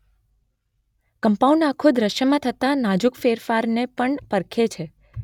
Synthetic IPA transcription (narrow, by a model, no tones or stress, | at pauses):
kəmpauɳɖakʰod̪ɾəʃjəmãt̪ʰət̪anad͡ʒukfeɾfaɾnepəɳpəɾkʰet͡ʃʰe